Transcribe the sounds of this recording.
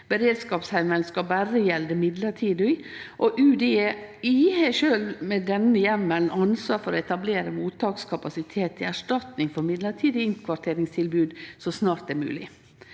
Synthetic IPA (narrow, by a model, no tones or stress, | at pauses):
b̥əɾeːd̪skɑːpshæɪmənskɑbæɾəjɛld̪əmɪd̪ləʈʰiːd̪əɪ | ʔɔʔʉːd̪eiːheʃøːlʋmɛd̪ɛnəjɛmːənnɑnsʋɑːɾfɔɾɔɛt̪ɑbleːɾəmuːt̪ʰːɑːkskʰɑpɑsɪt̪ʰeːt̪ʰːɪæʂʈɑt̪nɪŋfɔɾmɪd̪ləʈʰiːd̪ɪɪŋkʰʋɑʈʰeːɾɪŋst̪ʰɪlbʉːd̪sɔsnɑːɾt̪̚ɛmʉ̰ːlɪ